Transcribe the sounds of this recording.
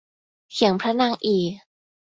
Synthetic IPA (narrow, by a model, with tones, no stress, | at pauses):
kʰi˨˩˦əŋpʰɾa˦˥naː˧˩ŋʔiː˨˩